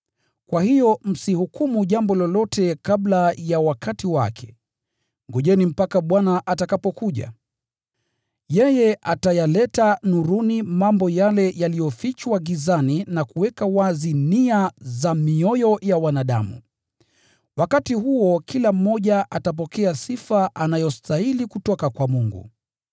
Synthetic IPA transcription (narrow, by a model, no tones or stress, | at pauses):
kwahijɔm̩sihukumuʄambɔlɔlɔtʰɛkaɓlajawakʰatiwa̰kʰɛ̥ | ŋɡɔʄɛnim̩pakaɓwanaʔatakapɔkuʄa̰ | jɛjɛʔatajalɛtanuɾunimambɔjalɛjalijɔfit͡ʃwaɡizaninakuwɛkawaziniazamiɔjɔjawanaɗamṵ | wakatihuɔkilam̩ːɔʄaʔatap̬ɔkɛasifaʔanajɔstailikutɔkakwamuŋɡṵ